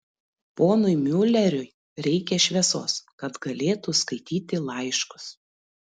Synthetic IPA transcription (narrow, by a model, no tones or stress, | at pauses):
poːnʊɪmʲʊlʲɛɾʲʊj | ɾʲɛɪkʲɛʃʲʋʲɛso̰ːskɐt̪ɡɐlʲeːt̪uˑskɐɪt̪ʲiːt̪ʲɪlˠɐɪʃkʊ̥s